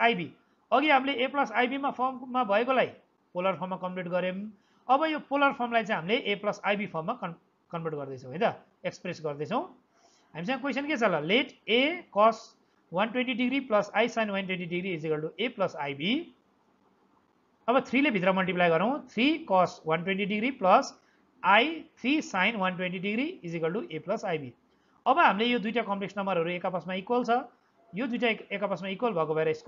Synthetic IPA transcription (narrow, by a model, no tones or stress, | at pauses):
ajbi | ʌɡiɦamileeplʌsajbimapʰormːabʱʌekolai | polʌrpʰʌrmːakʌmʈeʈɡʌɾem | ʌbʌjopolʌrpʰʌrmlajt͡sãĩɦamileʔeplʌsajbipʰʌrmːakʌ | kʌnpeʈɡʌrd̪ʌjt͡sʰʌ̃wɦʌj̃t̪ʌ | ekspresɡʌrd̪ʌt͡sʰʌw̃ | ɦamis̬ʌ̃ŋɡʌkwesʌnket͡sʰʌlʌleʈekʌs | wʌnʈwenʈiɖiɡɾiplʌsajsajnwajnʈwenʈiɖiɡɾiːd͡ziɡʌlʈuʔeplʌsajbi | ʌbʌt̪ʰrilebʱit̪rʌmʌlʈiplajɡʌɾʌw̃t̪ʰrikɔswʌnʈwenʈiɖiɡɾiplʌs | ajt̪ʰrisajnwʌnʈweɳʈiɖiɡɾiːd͡zikʌlʈuʔeplʌsajbi | ʌbʌɦamilejod̪ujʈakʌmpleksnʌmbʌɾɦʌɾuekapʌsmaikwalt͡sʰʌ | jod̪ujʈaekapʌsmaikwalbʱʌkobʱaeɾʌesk